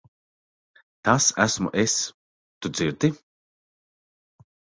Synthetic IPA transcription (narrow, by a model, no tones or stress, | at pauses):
t̪asæsmṵʔes | t̪ud̪ziɾd̪i